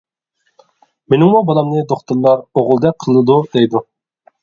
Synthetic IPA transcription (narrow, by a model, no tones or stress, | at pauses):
menɪŋmubɑlˠɑmnɨd̪oχt̪ɨɾlˠɑɾoʁʊlˠd̪ɛqʰəlˠɨd̪ud̪ejd̪u